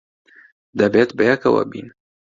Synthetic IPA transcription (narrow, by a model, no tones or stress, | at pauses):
d̪abat̪bajakawa̰bḭn